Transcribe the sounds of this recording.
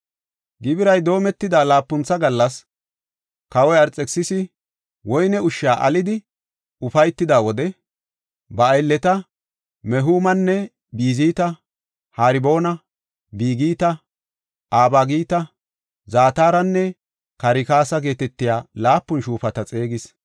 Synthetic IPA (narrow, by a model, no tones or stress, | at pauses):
ɡɪbɪɾɐjd̪o̞ːmɛt̪ːɪd̪aːlaːpːʊnt͡sːɐɡɐlːɐs | kɐwɔjɐɾt͡sʼɛksɪsɪ | wɔjnɛʊʃːaːʔɐ̰lɪd̪ɪ | ʊfɐjt̪ːɪd̪aːwɔd̪ɛ | bɐːjlːɛt̪ɐ | mɛɦuːmɐnːɛ | biːziːt̪ɐ | haːɾɪbo̞ːnɐ | biːɡiːt̪ɐ | ʔaːbaɡiːt̪ɐ | zaːt̪aːɾɐnːɛ | kɐɾɪkaːsɐɡe̞ːt̪ɛt̪ːɪjaːlaːpːʊnʃuːfɐt̪ɐt͡sʼe̞ːɡɪs